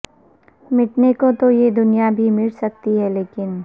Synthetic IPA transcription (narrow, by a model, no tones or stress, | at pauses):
mɪʈnekot̪ojed̪ʊnijabʱimɪlsɐk̚t̪iɦɛleːkɪn